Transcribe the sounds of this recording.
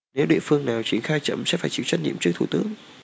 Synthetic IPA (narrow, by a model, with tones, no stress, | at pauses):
ne˨˦wɗḭ˧˨əfɨ˧əŋnaː˨˩wt͡ɕi˨˩ənxaː˧jt͡ɕə̰˧˨msɛ̰˧˥faː˧˩jt͡ɕḭ˧˩wt͡ɕwa˦˥t̚ɲḭ˧˨əmt͡ɕɨ˦˥ək̚t̪ʰu˧˩t̪ɨ˨˦əŋ